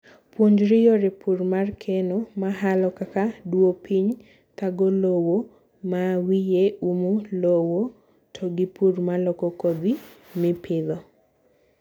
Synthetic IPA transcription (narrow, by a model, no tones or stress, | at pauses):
pwoɲd͡ʒɾɪjoɾepʰurmarkʰenomaɦalɔkakadwopʰiɲ | t̪aɡolowo | mawijeumulowo | tʰɔɡɪpurmalɔkɔkod̪imɪpʰɪðɔ